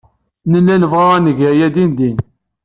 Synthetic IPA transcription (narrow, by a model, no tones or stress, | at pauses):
nəlːænəvʁaʁnəʝəjæd̪ind̪in